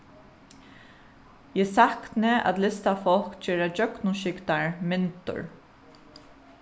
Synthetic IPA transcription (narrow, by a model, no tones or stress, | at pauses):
jɛːsaknəa̰t̪lɪst̪afɔlkd͡ʒeːɾad͡ʒœknʊʃɪkt̪aɹmɪnt̪ʊ̰ɹ